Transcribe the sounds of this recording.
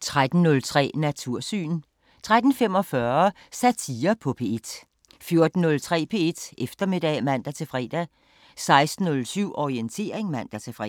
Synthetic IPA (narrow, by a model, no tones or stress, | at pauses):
t͡sʰʁad̥n̩ːɔ̽lt͡sʰʁɛ̰ːnæt͡sʰuɐ̰sy̰ːn | t͡sʰʁad̥n̩fem̰ɒ̽fɶɐ | sæt͡sʰiːɐpʰɒ̽pʰe̝e̝d̥ | fjo̝ɐd̥n̩ːɔ̽lt͡sʰʁɛ̰ːpʰe̝ːe̝d̥ʔefd̥ɐme̝d̥ɛ̰ːmæn̰d̥æt͡sʰe̝lfʁɛ̰ːd̥æ | sɑ̈ɪsd̥n̩ɔ̽lsyʊ̰ʔɒient͡sʰe̝̰ːɐeŋmæn̰d̥æt͡sʰe̝fʁɛ